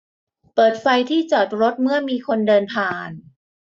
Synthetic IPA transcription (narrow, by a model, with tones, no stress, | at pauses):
pɤː˨˩t̪̚fa˧jt̪ʰiː˥˩t͡ɕa˨˩t̪̚ɾo˦˥t̪̚mɯ˥˩ɐmiː˧kʰo˧ndɤː˧np̪ʰaː˨˩n